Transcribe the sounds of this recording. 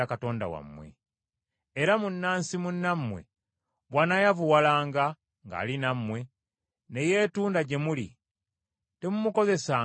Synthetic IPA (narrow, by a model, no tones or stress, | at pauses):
akato̞ːnda̰wa̰mːwḛ | eɾamunːaːnsimunːamːwe̞̰ | βwanajavuwalaːŋɡa | ŋɡa̰ːlinamːwe̞ | ne̞je̞ːtuːndaɟe̞mulḭ | te̞mumuko̞ze̞sa